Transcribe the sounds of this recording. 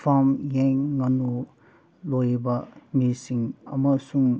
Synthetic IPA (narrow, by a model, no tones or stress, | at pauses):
fʰamjeŋːanu | lojbamisiŋɐ̰mɐsuŋ